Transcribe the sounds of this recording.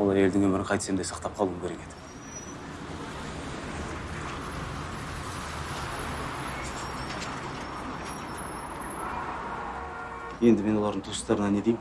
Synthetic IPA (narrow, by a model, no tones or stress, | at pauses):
olˠɑɾe̞ld̪ɪŋwɵmɪɾɪɴqʰɑjt̪ə̥se̞md̪ejsɑqt̪ɑp̚qʰɑlˠuəmkʰʲe̞ɾe̞ke̞d̪ɪ̥ | je̞nd̪ɪme̞nwo̞lˠɑɾd̪əɴt̪ʰusə̥st̪ɑɾənɑne̞d̪ej